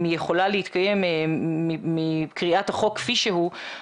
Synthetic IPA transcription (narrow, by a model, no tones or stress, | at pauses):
mijeχo̞laleit̪kaje̞meimikʁiathaχo̞kːfiʃeɦu